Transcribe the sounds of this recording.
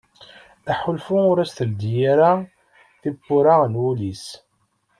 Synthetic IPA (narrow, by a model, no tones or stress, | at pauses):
æħʊlfuʊɾæsθəld̪jaɾa | θibːʊɾanwulis